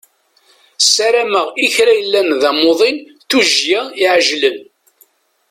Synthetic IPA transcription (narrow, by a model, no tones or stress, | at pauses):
saɾæməʁiçɾæjəlːænðæmoðˤinθuʒjæiʕʒlən